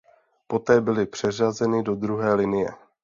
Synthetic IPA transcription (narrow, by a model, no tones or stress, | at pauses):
po̞t̪ɛːbɪlɪpr̝̥ɛrazɛnɪdo̞d̪ɾuɦɛːlɪnɪjɛ̰